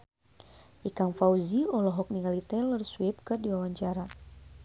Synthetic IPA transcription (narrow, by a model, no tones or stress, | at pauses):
ʔikaŋfauziɔlɔɦɔk̚niŋalit̪ɛlərsuwɛp̚kɨrdiwawaɲt͡ʃaɾa